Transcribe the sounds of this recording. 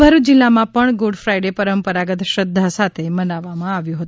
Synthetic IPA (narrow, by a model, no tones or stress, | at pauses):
əɾud͡ʒɪlːamãpəɳɡoɽfɾajɖepəɾəmpəɾaɡət̪ʃəd̪ʱːasat̪ʰemənaʋːamãaʋjũɦət̪u